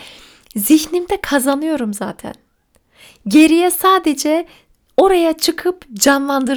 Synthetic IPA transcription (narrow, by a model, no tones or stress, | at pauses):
ziçnimd̪ɛkʰazanɯjo̞ɾumza̰ːt̪ʰæ̰n | ɟe̞ɾijɛsaːd̪ed͡ʒɛ | o̞ɾajat͡ʃʰɯkʰɯpd͡ʒanlˠand̪ɯɾ